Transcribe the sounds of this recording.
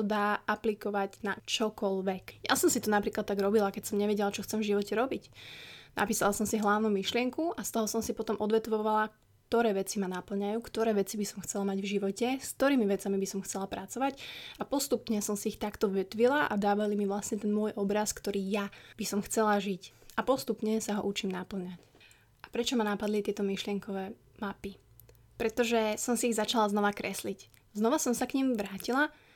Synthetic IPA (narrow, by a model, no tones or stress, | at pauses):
d̪aːʔaplikɔʋaɟnat͡ʃɔkɔlʋɛkja̰sɔmsit̪ɔnapɾiːklat̪ːaɡɾɔbilakɛcsɔmɲɛʋɛɟɛlat͡ʃɔxt͡sɛmvʒiʋɔcɛɾɔbicna̰piːsalasɔmsiɦlaʊnuːmiʃlɪɛŋkuʔast̪ɔɦɔsɔmsipɔt̪ɔmʔɔd̪ʋɛt̪ʋɔʋalak̚ | t̪ɔɾɛːʋɛt͡simanapl̩ɲajuːkt̪ɔɾɛːʋɛt͡sibisɔmxt͡sɛlamaɟvʒiʋɔcɛskt̪ɔɾiːmiʋɛt͡samibisɔmxt͡sɛlapɾʔat͡sɔʋaɟapɔst̪upɲɛsɔmsiːxt̪akt̪ɔʋɛt̪ʋilaʔa̰d̪aːʋalimiʋlasɲɛt̪ɛnmʊɔjʔɔbɾaskt̪ɔɾiːjab̥isɔmxt͡sɛlaʒicapɔst̪upɲɛsaɦɔ̰ʔut͡ʃiːmnapl̩ɲac | ʔapɾɛt͡ʃɔmanapad̪lit̪ɪɛt̪ɔmiʃlɪɛŋkɔʋɛː | mapi | pɾɛt̪ɔʒɛsɔmsiːɣzat͡ʃalalznɔʋakɾɛslic | znɔʋasɔmsakɲimʋɾaːcila